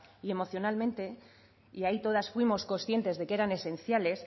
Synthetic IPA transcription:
ie̞mo̞θjo̞nalmẽ̞nt̪e̞ | iait̪o̞ð̞asfwimo̞sko̞nsθje̞nt̪e̞zðe̞ke̞ɾane̞se̞nθjale̞s

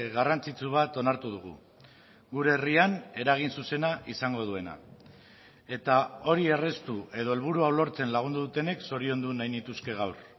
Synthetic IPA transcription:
ɣarant͡sit͡suβ̞at̪o̞naɾt̪uð̞uɣ̞ṵ | ɡuɾe̞riane̞ɾaɣ̞insuse̞naʔisaŋɡo̞ð̞ue̞na̰ | e̞t̪ao̞ɾie̞re̞st̪ue̞ð̞o̞e̞lβ̞uɾuawlo̞ɾt͡se̞nlaɣ̞und̪uðut̪e̞ne̞kso̞ɾio̞nd̪unajnit̪uske̞ɣ̞awr

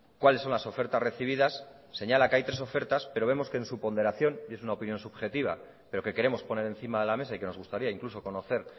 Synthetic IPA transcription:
kwale̞sːo̞nlaso̞fe̞ɾt̪azre̞θiβiðasː | e̞ɲalakeajt̪ɾeso̞fe̞ɾt̪aspe̞ɾo̞β̞e̞mo̞ske̞ːnsupo̞nd̪e̞ɾaθjo̞nesunaopinjo̞nsuβxe̞t̪iβ̞a̰ | pe̞ɾo̞ke̞ke̞ɾe̞mo̞spo̞ne̞ɾe̞nθimaðe̞lame̞saike̞nozɣust̪aɾiaiŋkluso̞ko̞no̞θe̞ɾ

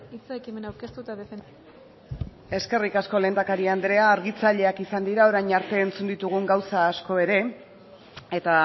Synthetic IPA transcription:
it͡saekime̞nawɾke̞st̪ut̪aðefen | e̞ske̞rikasko̞le̞ːnd̪akaɾiand̪ɾe̞aːɾɣit͡saʎe̞akisand̪iɾao̞ɾajɲaɾt̪e̞ːnt͡sund̪it̪uɣ̞uŋɡawsaːsko̞e̞ɾe̞ | e̞t̪a

